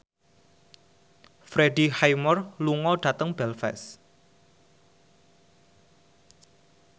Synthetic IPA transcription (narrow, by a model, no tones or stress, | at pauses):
fɾeɖihajmɔrluŋɔɖ̥ä̤t̪əŋb̥ɛlfɛ̰s